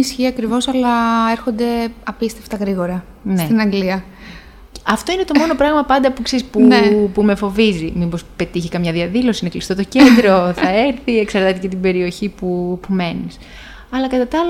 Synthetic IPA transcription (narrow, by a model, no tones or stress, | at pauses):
isçiɐkɾivo̞sɐlɐeɾxond̪e̞ɐpist̪eft̪ɐɣɾiɣo̞ɾɐ | nset̪inɐŋɡliɐ | ɐft̪o̞ine̞t̪o̞mo̞no̞pɾɐɣmɐpɐnd̪ɐpukseɾispunpume̞fo̞vizimibospe̞t̪içikɐmɲɐðiɐðilo̞sinɐklist̪o̞t̪o̞cend̪ɾo̞θɐeɾθieksɐɾt̪ɐt̪ecet̪ibe̞ɾio̞çipupume̞nis | ɐlɐkɐt̪ɐt̪ɐl